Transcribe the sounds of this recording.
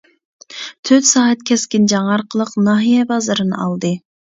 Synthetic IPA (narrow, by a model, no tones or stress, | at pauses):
t̪ʰøt̪sɑːɦɛt̪̚kʲʰɛskʲɪnd͡ʒɑŋɑɾqʰəlˠəqnɑɦijɛbɑzɨɾɨnɨ̰ɑ̰lˠd̪ɨ